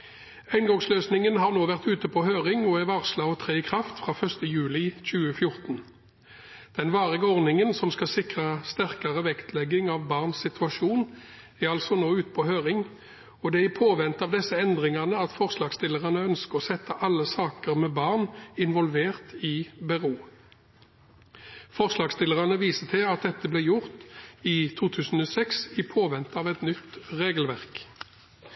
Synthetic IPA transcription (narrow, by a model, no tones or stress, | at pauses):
æɪnɡɔŋsløːsnɪŋənɦɑːʁnoːʋæʁt̪ʉːt̪əpʰɔɦøːʁɪŋɔæʋɑːʁslɑːɔt̪ʰʁeːɪkʰʁɑft̪fʁɑːfœʁst̪əjʉːlɪc͡çʉːəfjʊʁt̪n | d̪̥ɛnʋɑːʁɪɡəɔʁnɪŋənsɔmskɑsɪkʁəst̪æʁkɑʁəʋɛkt̪ʰlɛɡɪŋɑʋbɑːʁnssɪt̪ʰʉɑʂuːn | æʁɑlsɔnoːʉːt̪ə̥pʰɔɦøːʁɪŋ | ɔd̪ɛɪpʰoːʋɛnt̪ɑːʋd̪ɛsːəɛnd̪ʁɪŋɑʁnəɑt̪fɔʁslɑːɡst̪ɪlːəʁɑnəœnskəʁɔsɛt̪ʰːəʔɑlːəsɑːkəʁmɛːbɑːʁnɪnʋɔlʋeːʁt̪ɪbɛʁuː | fɔʁslɑːɡst̪ɪləʁɑnəʋiːsət̪ʰɪlɑt̪̚d̪ɛt̪ːəblɛːjʊʁt̪iːt̪ʰuːt̪ʰʉːsn̩oːsɛksɪpʰoːʋɛnt̪ɑːʋɛt̪nʏt̪ʁeːɡəlʋæʁk